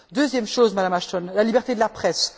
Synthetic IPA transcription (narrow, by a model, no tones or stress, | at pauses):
d̪øzjɛmʃozmad̪amaʃt̪ɔnlalibɛʁt̪ed̪əlapχɛs